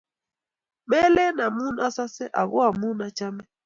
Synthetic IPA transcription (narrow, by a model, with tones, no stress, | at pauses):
mɛ˦lɛ˦na˨mu˦na˦sa˦sɛ˦ʔa˨ɣɔ˦a˨mu˦na˦t͡ʃa˦mɛ˦